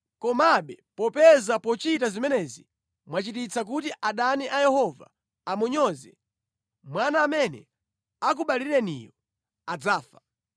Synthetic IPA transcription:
kɔmaɓɛpɔpɛzapɔt͡ʃitazimɛnɛzi | mwat͡ʃitit͡sʰak̬utiʔaɗaniʔajɛhɔva̰ | amuɲɔzɛ̰ | mwanaːmɛnɛ̰ | ak̬uɓaliɾɛnḭjɔ | ad͡zaːfḁ

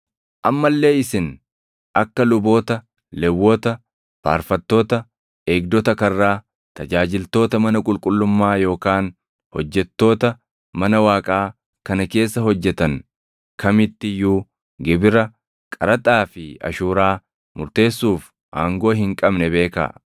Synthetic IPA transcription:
ʔɐmːɐlːe̞ːɪsɪn | ɐkːɐlʊbo̞ːt̪ɐ | lɛwːɔt̪ɐ | fa̰ːɾfɐt̪ːo̞ːt̪ɐ | eːɡd̪ɔt̪ɐkɐrːaː | t̪ɐd͡ʒaːd͡ʒɪlt̪o̞ːt̪ɐmɐnɐkʼʊlkʼʊlːʊmːaːjo̞ːkaːn | hɔ̰d͡ʒːɛt̪ːo̞ːt̪ɐ | mɐnɐwaːkʼaː | kɐnɐke̞ːsːɐhɔd͡ʒːɛt̪ɐn | kɐmɪt̪ːɪjuː | ɡɪbɪɾɐ | kʼɐɾɐt̪ʼaːfɪɐ̰ʃuːɾaː | mʊɾt̪e̞ːsːuːf | ʔaːŋɡoːɦɪŋkʼɐbnɛbe̞ːka̰ː

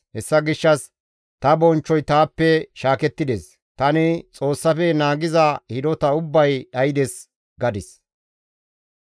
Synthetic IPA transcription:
hɛsːɐɡɪʃːɐs | t̪ɐbɔnt͡ʃːɔjt̪aːpːɛʃaːkɛt̪ːɪd̪eːs | t̪ɐnɪt͡sʼo̞ːsːɐfɛnaːɡɪzɐhɪd̪ɔt̪ɐʊbːɐjɗɐjɪd̪ɛs | ɡɐd̪ɪs

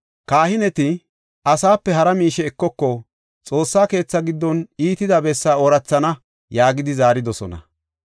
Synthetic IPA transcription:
kaːhɪnɛt̪ɪ | ɐsaːpːɛɦɐɾɐmiːʃɛːkːɔkːɔ | t͡sʼo̞ːsːaːke̞ːt͡sːɐɡɪd̪ːɔniːt̪ɪd̪ɐbɛsːaːɔɾɐt͡sːɐnɐ | jaːɡɪd̪ɪzaːɾɪd̪ɔsɔnɐ̰

